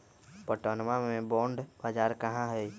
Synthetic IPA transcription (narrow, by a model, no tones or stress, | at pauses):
pəʈoːnmamẽbɔːɳɖbaːd͡ʒaːɾkəɦãɦəj